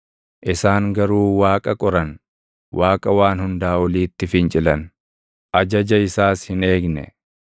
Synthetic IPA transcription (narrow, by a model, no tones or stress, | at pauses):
ʔɪsaːŋɡɐɾuːwaːkʼɐkʼɔɾɐn | wʔaːkʼɐwaːnhʊnd̪aːwɐliːt̪ːɪfɪnt͡ʃʼɪlɐn | ʔɐd͡ʒɐd͡ʒɐɪsaːshɪneːɡnɛ̰